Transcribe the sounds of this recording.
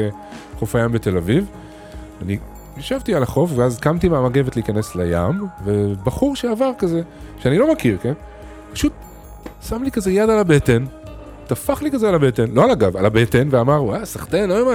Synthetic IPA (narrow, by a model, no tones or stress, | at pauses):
e | χofajambe̞t̪e̞laviv | ani | jaʃavt̪ialaχo̞fveazkamt̪imeamaɡe̞vt̪lehikaneslaja̰mvebaχuʁʃeavaʁkaze | ʃeanilo̞makiʁken | pḁʃut̪̚ | samlikazejad̪alabe̞t̪e̞n | t̪afaχlikazealabe̞tenlo̞alaɡavalabe̞tenveamaʁwasaχt̪enloema